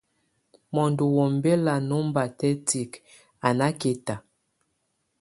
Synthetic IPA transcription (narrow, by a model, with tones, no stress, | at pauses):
mɔ˨ndu˨wɔ˨mbe˦la˨no˦mba˨tɛ˦ti˨k | a˨na˦ke˨ta˨